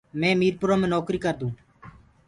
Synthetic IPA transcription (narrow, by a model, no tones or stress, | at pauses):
mẽːmiːɾpʊɾaːmẽːnɔːkɾiːkəɾd̪ũː